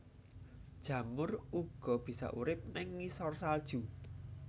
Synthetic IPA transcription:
d̥ʒ̥ä̤mʊruɡ̥ɔ̤b̥i̤sɔ̰ʔṵɾɪp̚nɪŋːisɔrsald̥ʒ̥u

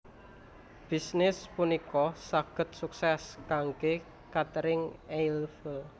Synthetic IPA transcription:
b̥i̤snɪspunikɔsaɡ̥ə̤t̪̚suksɛskaŋke | kat̪əɾɪŋejlfəl

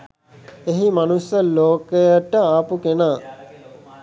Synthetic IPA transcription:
eɦimanusəloːkəjəʈəaːpukenaː

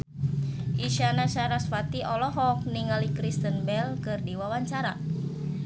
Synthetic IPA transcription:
ʔiʃanasaɾasfat̪iʔɔlɔɦɔk̚niŋalikɾist̪ənbɛlkɨrdiwawaɲt͡ʃaɾa

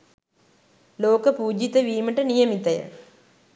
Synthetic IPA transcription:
loːkəpuːd͡ʒit̪əʋiːməʈənijɐmit̪ɐjə̰

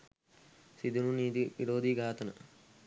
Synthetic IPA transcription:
sid̪ununiːd̪iʋiɾoːd̪iɡʱaːt̪ɐnɐ̰

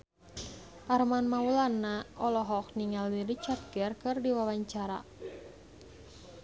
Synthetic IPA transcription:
ʔarmanmaulanːaʔɔlɔɦɔk̚niŋaldiɾit͡ʃat̪̚ɡɛrkɨrdiwawaɲt͡ʃaɾa̰

